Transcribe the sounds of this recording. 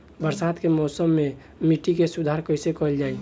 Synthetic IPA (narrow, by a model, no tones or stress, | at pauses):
bəɾsaːt̪kemɔːsəmːẽ | miʈikesʊd̪ʱaːɾkəɪsekɔld͡ʒaːi